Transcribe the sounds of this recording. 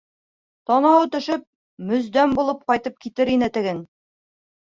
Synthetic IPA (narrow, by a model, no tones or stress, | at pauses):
t̪ɒnɑwt̪ɵ̆ʃɘp̚ | mɵ̆zd̪æmbulˠɤp̚qɑjt̪ɤp̚kit̪ɘɾinɘt̪ɘ̆ɡɘn